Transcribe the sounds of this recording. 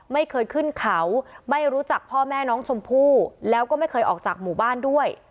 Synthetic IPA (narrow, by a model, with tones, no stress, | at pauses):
ma˥˩jkʰɤː˧jkʰɯ˥˩nkʰa˩˦wma˥˩jɾuː˦˥t͡ɕa˨˩k̚pʰɔː˥˩mɛː˥˩nɔː˦˥ŋt͡ɕʰo˧mpʰuː˥˩lɛː˦˥wkɔː˥˩ma˥˩jkʰɤː˧jʔɔː˨˩k̚t͡ɕaː˨˩k̚muː˨˩baː˥˩ndu˥˩əj